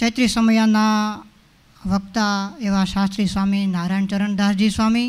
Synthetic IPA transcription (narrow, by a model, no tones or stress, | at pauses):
t͡ʃəjt̪ɾisəməjana | ʋək̚t̪aeʋaʃast̪ɾisʋaminaɾaɳt͡ʃəɾəɳd̪ʱaɾd͡ʒisʋami